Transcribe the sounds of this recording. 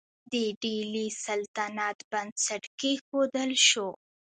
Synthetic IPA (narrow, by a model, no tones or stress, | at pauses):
d̪əɖilisalt̪anɑt̪band̪saʈkexod̪əlʃo